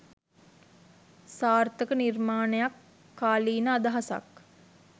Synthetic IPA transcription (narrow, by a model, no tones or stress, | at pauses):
saːrt̪əkənirmaːnəjakː | aːliːnəad̪ɐɦasa̰k